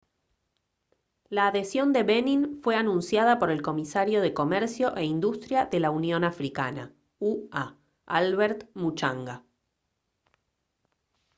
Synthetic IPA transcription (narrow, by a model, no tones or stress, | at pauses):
laːðesjo̞nd̪e̞βenĩnfweanũnsjaðapo̞ɾe̞lko̞misaɾjo̞ð̞eko̞mɛɾsjo̞ʔe̞ind̪ust̪ɾjaðelaunjo̞nafɾikana̰ | ua | alβeɾt̪mut͡ʃaŋɡa